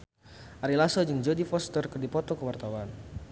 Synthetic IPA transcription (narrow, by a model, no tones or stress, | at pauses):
ʔaɾilasɔd͡ʒɨŋd͡ʒodifɔst̪ərkərdipɔt̪ɔkəwart̪awan